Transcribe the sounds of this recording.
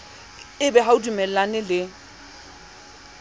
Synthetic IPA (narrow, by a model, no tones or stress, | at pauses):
ɪbɛɦaudumɛl̩lanɪlɪ